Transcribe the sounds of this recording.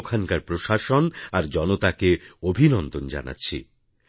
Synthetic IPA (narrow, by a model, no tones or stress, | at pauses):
kʰankaɾpɾoʃaʃonaɾd͡ʑɔnot̪akeobʱinɔnd̪ond͡ʑa̰na̰tːɕʰḭ